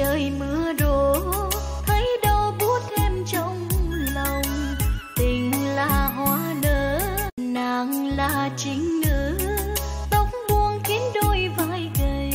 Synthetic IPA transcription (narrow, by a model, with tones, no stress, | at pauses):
əː˨˩jmɨ˧˦əɗo˧˩ | t̪ʰə˨˦jɗɔ˧˩ɓu˦˥ət̚ʔɛ˧mt͡ɕə˧wŋ͡mlə˨˩wŋ͡mt̪ï˨˩ŋ̟laː˨˩ɦwaː˧˦nəː˨˦ | na˧˨˩ŋlaː˧˨˩t͡ɕï˨˦ŋ̟nɨ̰˧˥ | t̪ə˨˧˦wŋ͡mɓu˧ənki˨˦nɗo˧jvaː˧˩˨jveː˨˩